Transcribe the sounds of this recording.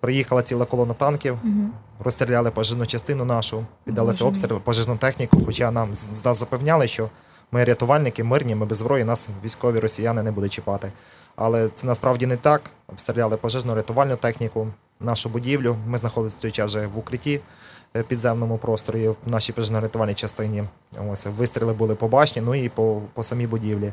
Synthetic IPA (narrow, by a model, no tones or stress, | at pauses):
pɾɪjixɐlˠɐt͡sʲilˠɐkɔlˠɔnɐt̪ɑnkʲiw | rɔst̪ɾʲɪlʲɑlˠɪpɔʒɪʒnʊt͡ʃɐst̪ɪnʊnɑʃʊpʲid̪ːɐlˠasʲɐɔpst̪ɾʲilˠpɔʒɪʒnʊt̪ɛxnʲikʊxɔt͡ʃɑnɑmnɑzːɐpɛwnʲalˠɪʃt͡ʃɔ | mɪɾʲɐt̪ʊʋɑlʲnɪkɪmɪrnʲimɪbezbɾʔɔjinɑsʋʲijsʲkɔʋʲiɾɔsʲijanɪnɛbud̪ʊt̚ʲt͡ʃɪpɑt̪ɪ | ɑ̰lˠɛt̪sɛnɐspɾɑwdʲinɛt̪ɑkɔpst̪ɾʲɪlʲalˠɪpɔʒɪʒnʊɾʲɐt̪ʊʋɑlʲnʊt̪ɛxnʲikʊ | nɑʃʊbʊdʲiwlʲʊmɪznɐxɔd̪ɪlʲsʲɐ̥t͡s̪ʲɔjt͡ʃɑʒɛʋʊkɾɪtʲipʲid̪zɛmnɔmʊpɾɔst̪ɔɾʊinɑʃipɔʒɪʒnʊɾʲɐt̪ʊʋɑlʲnʲit͡ʃɐst̪ɪnʲi | ɔsʲʋɪst̪ɾʲilˠɪbʊlˠɪpɔbɑt͡ʃnʲinʊipɔpɔsɐmʲibʊdʲiwlʲi